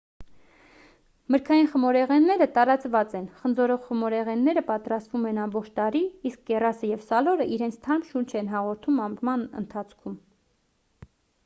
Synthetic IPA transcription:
məɾkʰɑjinχəmɔɾɛʁɛnːɛɾət̪ɑɾɑt͡svɑt͡sɛnχənd͡zɔɾɔʁχəmɔɾɛʁɛnːɛɾəpɑt̪ɾɑst̪vumɛnɑmbɔχt͡ʃʰt̪ɑɾiiskɡɛrɑsəjɛvsɑlɔɾəʔiɾɛnt͡sʰt̪ʰɑɾmʃunt͡ʃʰɛnɦɑʁɔɾt̪ʰumɑmɾmɑnə̰nt̪ʰɑt͡sʰkʰum

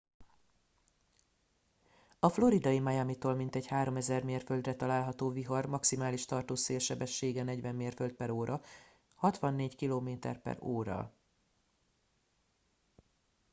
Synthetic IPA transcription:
ɒflo̞ɾid̪ɒjimɒjamit̪oːlmint̪ɛɟhaːɾo̞mɛzɛrmeːrføld̪rɛt̪ɒlaːlɦɒt̪oːviɦɒrmɒksimaːliʃt̪ɒrt̪oːseːlʃɛbɛʃːeːɡɛnɛɟvɛmːeːrfølt̪̚pɛɾoːɾʔɒ | hɒt̪ʋɒnːeːɟkiloːmeːt̪ɛ̰rpɛ̰ɾoːɾɒ̰

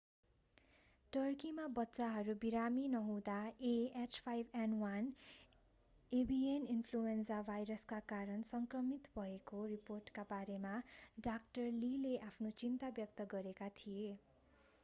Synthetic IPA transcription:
ʈʌrkimabʌtːsaɦʌɾubiɾaminʌɦũd̪aeat͡ʃpʰajbʱanwan | ebʱieninpʰluensabʱajɾʌskakaɾʌnsʌŋkrʌmit̪bʱʌekoriporʈkabaɾemaɖak̚ʈʌrlileʔapʰnot͡sint̪abjʌk̚t̪ʌɡʌɾekat̪ʰije

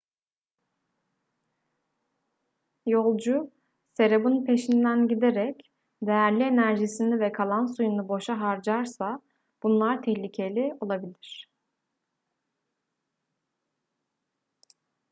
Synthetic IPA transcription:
jo̞lˠd͡ʒu | se̞ɾebunpʰe̞ʃind̪ænɟid̪eɾɛc | d̪e̞jæɾlʲie̞næɾʒisinivɛkʰalˠansujunubo̞ʃaɦaɾd͡ʒaɾsa | b̥unlˠaɾt̪ʰɛhlʲicʰe̞lʲio̞lˠabilʲiɾ̝̥

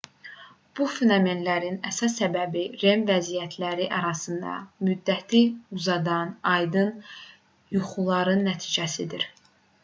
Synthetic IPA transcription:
b̥ufenome̞nlæɾinæsɑsːæbæbiɾe̞mvæzijæt̪ʰlæɾiʔɑɾɑsɯnd̪ɑ̰myd̪ːæt̪ʰiuzɑd̪ɑnɑjd̪ɯn | juχulˠɑɾɯnːæt̪ʰiːd͡ʒæsid̪iɾ

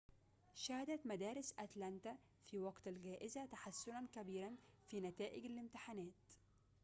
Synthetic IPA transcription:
ʃæːhɪd̪æt̪mæd̪æːɾɪsʔat̪lænt̪a | fiːwɑɡt̪alɡæːʔɪzat̪aħasːʊnankæbiːɾanfiːnæt̪æːʔɪɡalɪmt̪ɪħanæːt̪

